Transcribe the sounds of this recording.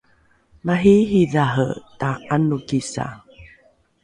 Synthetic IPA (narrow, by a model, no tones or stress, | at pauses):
maɦiɦiðaɦə̰taanukisa̰